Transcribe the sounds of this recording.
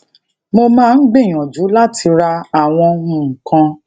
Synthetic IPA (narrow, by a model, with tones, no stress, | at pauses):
mo˧mãː˦˧n̩˦ɡ͡be˦˨j̃ɔ̃˨d͡ʒu˨˦la˦ti˧ɾa˧a˨w̃ɔ̃˧wũ˦˨ŋ̩˨kã˧